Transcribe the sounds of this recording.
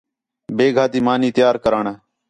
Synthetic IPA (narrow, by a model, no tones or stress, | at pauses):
beːɡʱaːt̪iːmaːniːt̪ɪjaːɾkəɾaːɳaː